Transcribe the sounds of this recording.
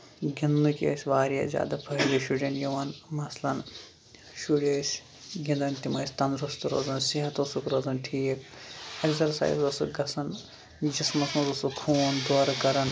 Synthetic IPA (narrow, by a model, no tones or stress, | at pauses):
ɡʲinːukʲḛːsʲʋaːɾijɐ̰ːzʲja̰ːd̪ɐpʰɐɾiʃuɽʲɐnjiʋɐnmɐslɐn | ʃuɽeːsʲ | ɡʲind̪ɐnt̪imɐːsʲt̪ɐnd̪ɾust̪uɾo̰zɐnsiɦɐt̪osukɾɐzɐnʈʰiːk̚ɐksɐɾsa̰ːj̰zosuɡɐsɐn | d͡ʒismɐslɐnɾusukʰuːnd̪oːɾɐkɐɾɐn